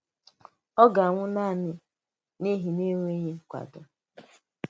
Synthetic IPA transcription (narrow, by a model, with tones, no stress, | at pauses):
ɔ˦ɡa˨ŋʷʊ˦na˦˨nɪ˦ | ne˦ɦi˨ne˦ŋʷ˦e˦ɲe˦kʷa̰˨dʊ˦